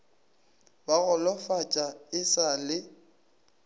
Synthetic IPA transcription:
baɣʊlɔfat͡ʃʼaɪsalɪ

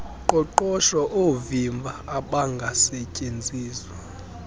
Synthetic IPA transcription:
ǃʼɔǃɔʃaʔovimbʱaːɓaŋɡʱasɛcʼend͡zʱiːswa

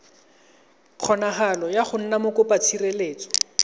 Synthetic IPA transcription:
q͡χʰɔnaɦalɔjaχʊn̩namʊkʊpat͡sʰireleːt͡sʼɔ̥

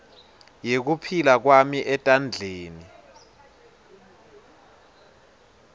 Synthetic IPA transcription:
jek̬upʰilak̬wamiʔɛtʼand͡ɮʱeːni

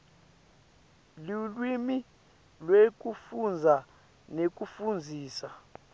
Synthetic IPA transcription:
lulwimi | lwek̬ʼufund͡zʱa | nek̬ʼufund͡zʱiːsa

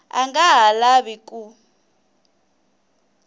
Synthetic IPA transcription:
a̰ŋɡaɦalaβikʼu

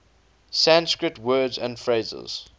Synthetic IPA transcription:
sæ̃nskɹɪtʰwɜːdzə̃ndfɹeɪzə̰z̥

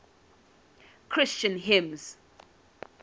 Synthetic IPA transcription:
kʰɹ̥ɪst͡ʃə̃nɦɪ̃mz̥

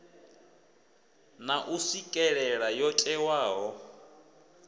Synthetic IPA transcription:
naʔusikʼɛɺɛɺajɔtʼɛwaːɦɔ

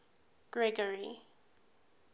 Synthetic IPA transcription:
ɡ̥ɹɛɡəɹi

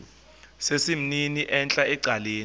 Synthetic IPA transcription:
sesim̩niniʔɛnt͡ɬʼaɛǀʱaleːn

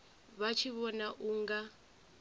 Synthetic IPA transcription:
βat͡ʃʰiβɔnaʔuŋɡa

